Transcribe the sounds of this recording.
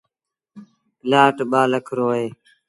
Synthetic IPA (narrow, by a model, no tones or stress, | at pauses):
laːʈɓaːləkʰɾoːɦeː